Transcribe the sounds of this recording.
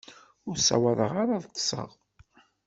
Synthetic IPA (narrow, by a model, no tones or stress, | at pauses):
ʊɾsːæ̰wæðəʁaɾaðt̪ˤːsˤə̰ʁ